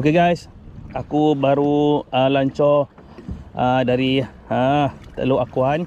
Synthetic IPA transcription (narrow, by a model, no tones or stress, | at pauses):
okeɡajs | akubaɾuəlaɲt͡ʃɔ | ədaɾi | at̪ə̰luakuan